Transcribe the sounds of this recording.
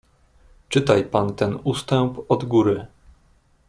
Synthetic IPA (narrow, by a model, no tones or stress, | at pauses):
t͡ʂɘt̪ajpant̪ɛnust̪ɛmpɔd̪ɡuɾɘ